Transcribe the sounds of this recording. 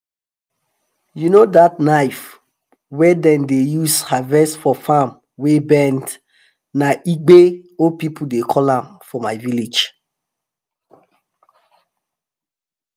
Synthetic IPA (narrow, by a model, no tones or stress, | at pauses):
junodatnaɪf | wɛdɛ̃ndejushavɛsfɔfãm | webɛ̃nd | naʔiɡ͡beopipʰudekʰɔlãmfɔmaɪvilid͡ʒ